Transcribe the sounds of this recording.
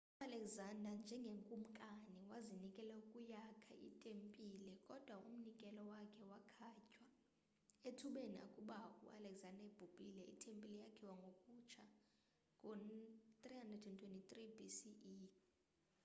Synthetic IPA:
ualɛkzandand͡ʒʱɛŋɡʱeŋkʼum̩kʼaniwazinikʼɛlɛukʼujakʰaʔḭtʼempʼilɛkʼɔd̥ʱwaʔum̩nikʼɛlɔwakʰɛwakʰacʼwa | etʰuɓenia̰kʼuɓakʼṵʔalɛkzandaeb̥ʱub̥ʼilɛḭtʼempʼilɛjakʰiwaŋɡʱokʼut͡ʃʰa | kʼot̪ʼrihandradʰɛntʰwentʼit̪ʼribisii

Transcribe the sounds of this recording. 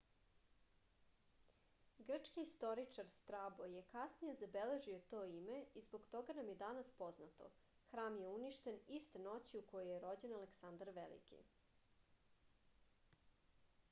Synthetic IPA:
ɡr̩t͡ʂkiːst̪o̞ɾit͡ʂaɾst̪ɾabojekasnije̞zabele̞ʒio̞t̪oːime̞izbo̞ɡt̪o̞ɡanamje̞d̪anaspo̞znat̪o̞̰ | xɾaːmjeuniʃt̪e̞nist̪eno̞t͡ɕiuko̞jojeɾo̞d͡ʑe̞naleksand̪aɾʋḛlḭkḭ

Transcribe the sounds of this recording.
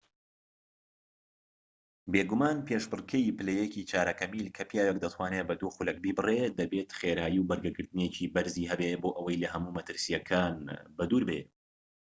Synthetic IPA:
beɡumaːnpeːʃbɨrkʰɛipɨlejeciːt͡ʃʰaːɾɐkɐmilkʰɐpjaːwek̚d̪ɐt̪ʰwaːnebɐd̪uxulɐk̚bibɨred̪ɐbeːt̪xeːɾaːjiwbɐɾɡɐɡɨɾt̪ɨnjet͡ʃibɐɾziːɦɛbeboːʔɐwɐjlɐɦɐmuːmɐt̪ɨɾsijɐkʰaːnbɐd̪uːɾbḛ

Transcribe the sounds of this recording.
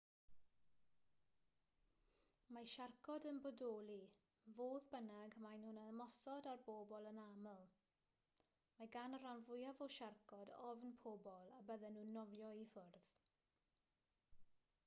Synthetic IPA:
maʃarkʰɔdənbɔdoːlˠi | voːðbənaɡmajnhʊnaəmɔsɔdarboːbɔlˠənaməlˠ | maɡanəɾanvʊjavɔʃarkʰɔdɔvnpʰoːbɔlˠabəðɛnuːnɔvjɔifʊrð

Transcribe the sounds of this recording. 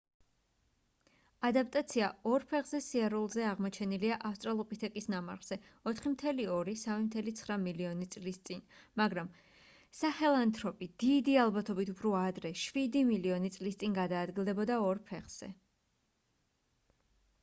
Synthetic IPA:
ad̪ap̚ʼt̪ʼat̪sʰiaɔɾpʰɛʁzɛsiaɾulˠzɛaʁmɔt͡ʃʰɛniliaʔafst̪ʼɾalˠɔpʼit̪ʰɛkʼisnama̰ɾʁz̥ɛ | ɔt̪ʰχimt̪ʰɛliɔɾisamimt̪ʰɛlit̪sʰχɾamiliɔnit̪sʼlist̪sʼinmaɡɾam | saχɛlˠant̪ʰʼɾɔpʼid̪̥id̪ialˠbat̪ʰɔbit̪ʰupʰɾuad̪ɾɛʃwid̪imiliɔnit̪sʼlist̪sʼinɡad̪aːd̪ɡilˠd̪ɛbɔd̪aɔɾpʰɛχz̥ɛ̰

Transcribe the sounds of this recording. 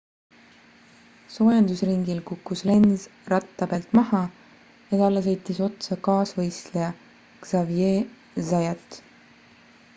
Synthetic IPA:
so̞ːjɑnd̪usriŋɡilkukːusle̞nzrɑt̪ːɑpeːlt̪ˑmɑɦɑ | jɑt̪ɑlːɑs̬ɤjt̪ːˑiso̞t̪sɑkɑːsvɤjst̪lejɑ | ɡ̥z̥ɑvjeː | zɑjɑt̪

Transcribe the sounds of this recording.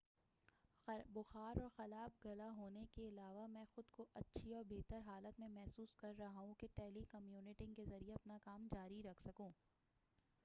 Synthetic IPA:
bʊxaːɾɔːɾxɐlaːb̚ɡɐlaɦoːnekeɪlaːʋamɛ̃ːxʊd̪koʔɐtːʃʰiɔːɾbeːt̪əɾɦaːlət̪mẽmɛɦsuːskɐɾːɐɦaɦũkeʈɛːlikɐmjuːnɪʈɪ̃ŋkezɐɾieɐpnakaːmd͡ʒaːɾiɾɐkʰsɐkũː

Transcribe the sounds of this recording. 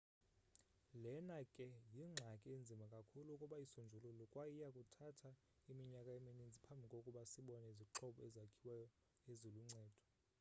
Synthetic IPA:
lɛnakʼɛjiŋ͡ǁʱakʼɛend͡zʱimakʼakʰuluukʼuɓaisond͡ʒʱululɔkʼwajijakʼutʰatʰa | imiɲakʼaeminind͡zʱipʰambʱikʼokʼuɓasiɓɔnɛiziǁʰɔɓɔɛzakʰiwɛjɔ | ezoluŋ͡ǀɛːd̥ʱɔ̥

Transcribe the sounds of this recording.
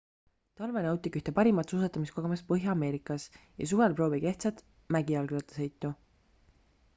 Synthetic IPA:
t̪ɑlvenɑwt̪ˑikyht̪epɑɾimɑt̪suːs̬ɑt̪ːˑɑmisko̞ɡ̥emɑspɤɦjɑːme̞ːɾikˑɑsjɑ̰suvelpro̞ːvike̞ht̪sɑt̪ | mæɡiɑlɡlɑt̪ːˑe̥se̞jt̪ːˑu

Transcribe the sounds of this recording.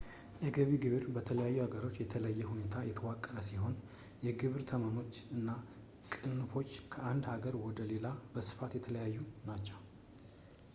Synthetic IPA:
jɛɡəβiɡɨβɨɾbət̪ʰələjajːuhaɡəɾo̞t͡ʃːjɛt̪ʰələjːɛhune̞t̪ʰajɛt̪ʰəwakʼːəɾəsiho̞n | jɛɡɨβɾt̪ʰəmamo̞t͡ʃːɨnːa | kʼɨnfo̞t͡ʃːkʰəʔand̪haɡəɾwɔd̪əle̞labəsɨ̥fat̪jɛt̪ʰələjajːunat͡ʃːɛw

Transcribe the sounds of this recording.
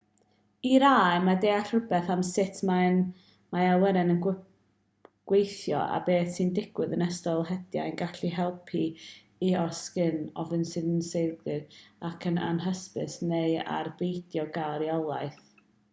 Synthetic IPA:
iɾaːɨmadeːaɬrəbɛθamsɪtʰman | maawɛɾɛnən | ɡ̥wejθjɔ̰ʔa̰beːθsɨndɪɡ̥wɨðənɛstɔlˠhɛdja̰nɡaɬiɦɛlˠpʰi | iɔskɪnɔvɨnsɨðənsejlɡrɨðakʰəna̰nɦəspɨ̰sneja̰rbejdjɔɡaɾjɔlˠajθ

